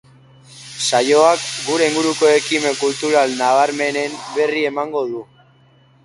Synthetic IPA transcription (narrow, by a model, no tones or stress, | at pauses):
sajo̞akɡuɾe̞iŋɡuɾuko̞e̞kime̞kult̪uɾalnaβ̞aɾme̞ne̞mbe̞rie̞maŋɡo̞ðu